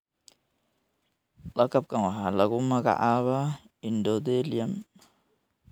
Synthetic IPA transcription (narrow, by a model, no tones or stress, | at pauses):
lakap̚kaŋwaɦalaɡumaka̰ʔaβa | indod̪eliam